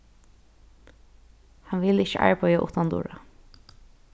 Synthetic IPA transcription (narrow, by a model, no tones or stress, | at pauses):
hɑnʋɪlɪçə̰ʔa̰ɹpœʏjaʔʊ̰ht̪and̪ʊ̰ːɹa